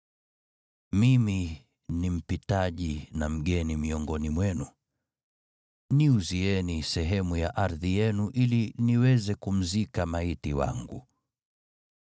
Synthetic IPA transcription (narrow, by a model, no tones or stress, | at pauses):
mimi | nim̩pitaʄinam̩ɠɛnimiɔŋɡɔnimwɛnu | niuziɛnisɛɦɛmujaʔaɾðijɛnuʔiliniwɛzɛkum̩zikamaitiwa̰ŋɡṵ